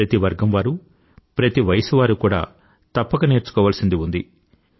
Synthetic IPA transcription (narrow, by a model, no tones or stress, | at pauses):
ɐt̪iʋɐɾɡɐmʋaːɾu | pɾɐt̪iʋɐjɐsuʋaːɾukuːɽa̰ː | t̪ɐpːɐkɐne̞ːɾt͡ʃu̥kɔːʋaːlɐsind̪iund̪i